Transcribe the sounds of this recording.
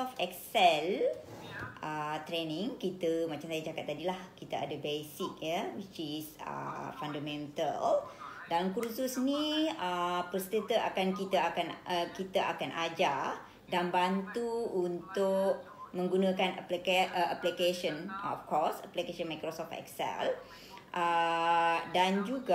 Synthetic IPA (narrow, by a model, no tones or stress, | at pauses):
ɔft̪ɛksɛl | ʔət̪ɾenĩŋkit̪əmãt͡ʃamsajad͡ʒakat̪ːadilahkit̪aa̰dəbesik̚jəwit͡ʃisə̰fandamɛ̃nt̪ə̰ldankɾususniəpəst̪ət̪əakankit̪aakanəkit̪aʔa̰kanʔad͡ʒa | danbant̪uunt̪ʊʔmə̃ŋɡunə̃kanəplikaʔəʔaplikeʃənɔ̰fkɔsəplikeʃənmajkɾosɔft̪ɛ̰ksɛ̰l | ʔə | dand͡ʒuɡa